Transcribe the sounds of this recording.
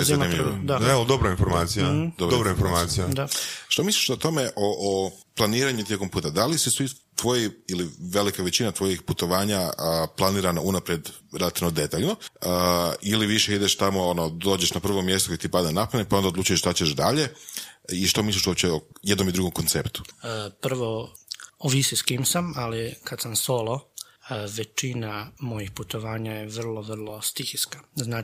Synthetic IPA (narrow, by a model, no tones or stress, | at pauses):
ezaimioaeod̪obɾainfoɾmaːt̪sijad̪obɾdobɾainfoɾmaːt̪sijad̪aʃt̪o̞misliʃot̪o̞me̞ʔoʔo | plˠaniːɾaɲut̪ʲje̞ko̞mpuːt̪ad̪alisisʋi | t̪ʋo̞jiiliʋe̞likaʋet͡ɕinat̪ʋo̞jixput̪o̞ʋaːɲaəplˠaniːɾanaunapɾjed̪ɾelat̪iʋnod̪e̞t̪aːʎno̞əiliʋiʃe̞id̪eʃt̪amo̞onod̪o̞ːd͡ʑeʃnapr̩ʋo̞mje̞st̪oket̪ipad̪anapanek̚pao̞nd̪aod̪luːt͡ʃujeʃt̪at͡ɕeʃd̪aʎeiʃt̪omislˠiʃuopt͡ɕeoje̞d̪no̞mid̪ɾuɡo̞mko̞nt̪se̞pt̪u̥pr̩ʋo | oʋisiskiːmsamalikad̪samsolˠo | ʋe̞t͡ʃinamo̞jixput̪oʋaːɲajeʋr̩lˠoʋr̩lˠost̪ixiskḁznaː